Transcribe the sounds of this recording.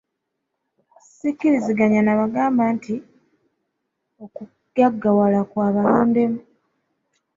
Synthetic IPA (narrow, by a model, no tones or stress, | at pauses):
sikːiɾiziɡaɲanaβaɡaːmbaːntʰi | oku | ɡaɡːawalakwaːβaloːnde̞mu